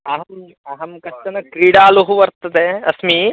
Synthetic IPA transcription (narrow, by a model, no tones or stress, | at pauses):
ɐɦɐm | ɐɦɐmkɐt̪ːɐnɐkɾiːɽaːluɦuʋɐɾt̪ɐd̪eɐsmi